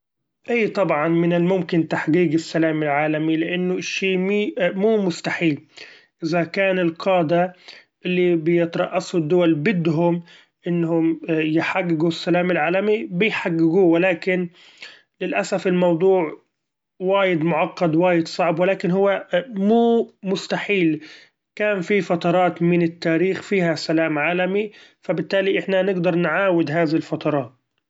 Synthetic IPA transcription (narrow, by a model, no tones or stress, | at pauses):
ʔiːt̪ˤɑbʕɑnmɪnɪlmʊmkɪnt̪aħɡiːɡɪsːalaːmɪlʕaːlamilɪʔanːʊɪʃːiːmiːmuːmʊst̪aħiːl | ʔɪzakaːnɪlqʰɑːd̪aʔɪlːibɪjɪt̪ɾˤɑ̰ʔːɑsud̪ːʊwalbɪd̪ɦʊm | ʔɪnːhʊmjɪħaɡːɪɡusːalaːmɪlʕaːlamibɪjħaɡːɪɡuːwɪlaːkɪn | lɪlʔasafɪlmɑwd̪ˤuːʕ | waːjɪd̪mʊʕɑqːɑd̪waːjɪd̪sˤɑʕbwɪlaːkɪnɦʊwːamuːmʊst̪aħiːl | kaːnfifɑt̪ɑɾˤɑːt̪mɪnɪt̪ːaːɾiːxfiːhasalaːmʕaːlamifabɪt̪ːaːliʔɪħnanɪɡd̪ɑɾˤnʕaːwɪd̪ɦaːðɪhɪlfɑt̪ˤɑɾˤɑːt̪̚